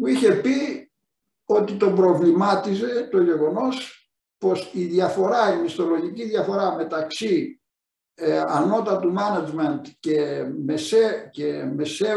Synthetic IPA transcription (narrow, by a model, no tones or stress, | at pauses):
muiçe̞pi | o̞t̪it̪o̞bɾo̞vlimɐt̪ize̞t̪o̞ʝe̞ɣo̞no̞s | po̞siðjɐfo̞ɾɐimist̪o̞lo̞ʝiciðjɐfo̞ɾɐme̞t̪ɐksi | ɐno̞t̪ɐt̪umɐnɐd͡ʒment̪cemeseceme̞se